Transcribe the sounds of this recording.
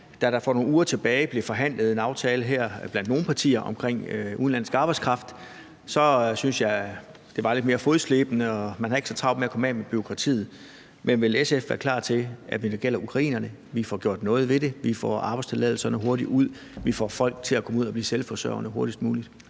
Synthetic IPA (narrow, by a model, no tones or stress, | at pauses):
d̥æɾ̥ɑ̈fɒno̝ːn̩uːɐt͡sʰe̝b̥ɛːɪb̥le̝fɒ̽ɦæn̰ləð̩ˠe̝nɑ̈ʊt͡sʰɛːləɦeɐ̰b̥lænd̥no̝ːn̩pʰɑ̈t͡sʰḭːɐʔɒ̽mkʰʁeŋ̰uðˠnlæn̰sɡ̥ɑ̈ːb̥ɑ̈ɪskʁɑ̈fd̥ | sɒ̽synsjɑ̈ɪ | d̥e̝ʋɑ̈led̥̚me̝ɐfo̝ðˠsle̝ːb̥ənəɒ̽mænhɑ̈e̝ɡ̥sɒ̽t͡sʰʁɑ̈ʊ̥meækʰɒ̽mɛ̰meb̥yo̝kʰʁɑ̈t͡sʰḭːð̩ˠ | menʋe̝lesefʋæɐkʰlɑ̰̈ːt͡sʰe̝ʔæʋinɡ̥el̰ɐʔukʰʁɑ̈ḭːnɐnəʋifɒɡ̥jo̝ɐ̰d̥nɔ̽ːð̞̩ˠʋe̝ɾe̝ʋifɒ̰ːɑ̈bɑ̈ɪst͡sʰe̝lɛ̰ðˠl̩sɐnəɦo̝ɐɾiuð̰ˠ | ʋifɒ̰fɒ̽l̰ɡ̥̚t͡sʰe̝lækʰɒ̽muð̰ˠɒb̥liːselfɒsœ̰ɐʊɐnəɦo̝ɐɾisd̥muːlid̥